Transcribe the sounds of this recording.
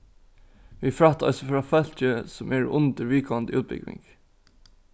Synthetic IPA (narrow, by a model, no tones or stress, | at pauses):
ʋiːfɾɑt̪ɑ̰lsɔfɾɑːfœltəsɔmʔæːɖ̰ʔʊnd̪əɾʋiːkʰɑnd̪əʉːt̪̚bɪ̰ɡʋɪ̰ŋɡ̥